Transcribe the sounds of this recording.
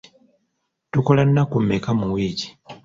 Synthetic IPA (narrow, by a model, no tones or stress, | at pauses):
tuko̞lanːakumːekamuwiːci̥